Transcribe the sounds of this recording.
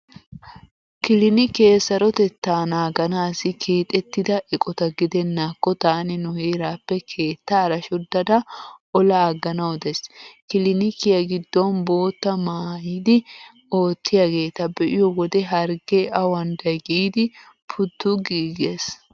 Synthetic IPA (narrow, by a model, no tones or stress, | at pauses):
kɪlɪnɪke̞ːsːɐɾɔt̪ɛt̪ːaːnaːɡɐnaːsɪkʰeːt̪ʼɛt̪ːɪd̪ɐʔɛkʼɔt̪ɐɡɪd̪ɛnːaːkːɔt̪aːnɪnʊheːɾaːpːɛkʰe̞ːt̪ːɐːɾɐʃɔd̪ɐd̪ɐʔɔlɐːɡɐnɐwɔd̪ɛskɪlɪnɪkːɪjɐɡɪd̪ːɔnbo̞ːt̪ːɐmaːjiːd̪ɪ | o̞ːt̪ːɪjaɡe̞ːt̪ɐbɛʔɪjɔwɔd̪ɛɦɐɾɡeʔɐwɐnd̪ɐjɡiːd̪ɪ | pʰʊt̪ːʊɡiːɡes